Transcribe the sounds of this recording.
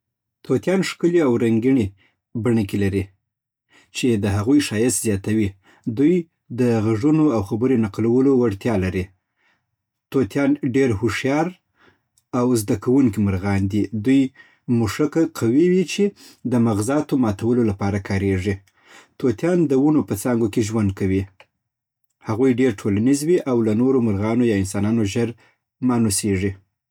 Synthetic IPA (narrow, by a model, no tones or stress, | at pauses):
t̪ot̪jɑnʂkəliawɾaŋɡiɳi | baɳəkilaɾi | t͡ʃed̪əɦaɣujʃɑjɪst̪zjɑt̪awi | d̪uj | d̪əɣaʐunoawxabəɾenaqlawəlowaɽt̪jɑlaɾi | t̪ot̪jɑnɖeɾhoʂjɑɾ | awzd̪akawuŋkiməɾɣɑnd̪id̪uj | muʂakaqʰawiwit͡ʃed̪əmaɣzɑt̪omɑt̪awəlolapɑɾakʰɑɾeʐi | t̪ot̪jɑnd̪əwunopət͡sɑŋɡokeʒwand̪̚kawi | haɣujɖeɾʈʰolanizwiʔawlanoɾomʊɾɣɑnojɑɪnsɑnɑnoʒəɾ | mɑnoseʐi